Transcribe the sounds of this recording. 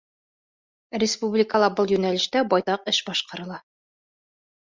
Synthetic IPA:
rʲɪspublʲɪkəlˠɑbɤlˠjʉnælɘ̆ʃt̪æbɒjt̪ɑqɘʃbɒʃqɑ̆ɾɤ̆lˠɑ

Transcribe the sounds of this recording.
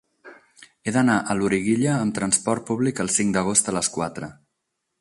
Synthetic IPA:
eðənaʔəluɾiɣiʎəːmt̪ɾənspɔɾt̪̚puβlikəlˠsiŋd̪əɣost̪ələskwat̪ɾə

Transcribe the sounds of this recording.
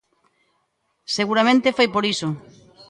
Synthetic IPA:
seɣuɾamẽnt̪efojpoɾiso

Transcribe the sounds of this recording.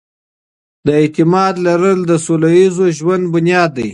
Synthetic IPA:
d̪əɪt̪ɪmɑd̪laɾəld̪əsolajizoʒwand̪̚bʊnjɑːd̪ːaj

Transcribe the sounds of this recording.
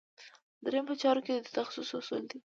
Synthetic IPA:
d̪ɾejmpət͡ʃɑɾoked̪əd̪ət̪axsusʊsuld̪i

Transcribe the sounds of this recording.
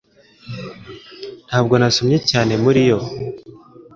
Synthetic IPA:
n̥haːb̚ɡo̞nasomɲe̞caːne̞muɾijo̞

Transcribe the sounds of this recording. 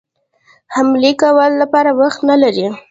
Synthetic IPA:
hamlekawəlːapɑɾawaxt̪nalaɾi

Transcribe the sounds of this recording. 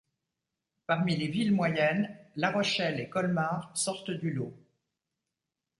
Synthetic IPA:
paʁmilevilmwajɛnlaʁɔʃɛlekɔlmaʁsɔʁt̪d̪ylo

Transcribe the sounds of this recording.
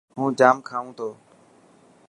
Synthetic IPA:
ɦũːd͡ʒaːmkʰaːʋũːt̪ʰoː

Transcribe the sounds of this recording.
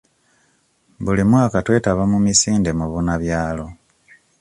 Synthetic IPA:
bulimwakatwe̞ːtaβamumisiːnde̞muβunaβjaːlo̞

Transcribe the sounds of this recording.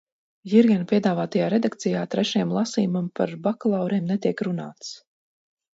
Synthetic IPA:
jiɾɡʲɛnpʲiɛd̪aːvaːt̪ajaːɾed̪ak̚t̪sijaːt̪ɾɛʃjɛmlˠasiːmampa̰ɾbaklˠawɾɛːmnet̪iɛkɾunaːt̪s

